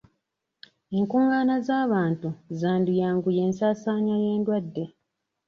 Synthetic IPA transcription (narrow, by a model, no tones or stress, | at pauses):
eŋkuːŋaːnazaːβaːntuzaːndijaːŋɡuje̞ːnsaːsaːɲwaje̞ːndwadːe̞